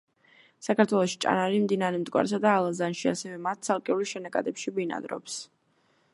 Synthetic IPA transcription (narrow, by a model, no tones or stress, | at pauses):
sakʰaɾt̪ʰwɛlˠɔʃi̥t͡ʃʼa̰naɾimd̪inaɾɛmt̪ʼkʼwa̰ɾs̬ad̪aːlˠazanʃia̰sɛvɛmat̪̚t̪sʰalˠkʼɛuliʃɛnakʼa̰d̪ʼɛpʃibina̰d̪ɾɔ̰ps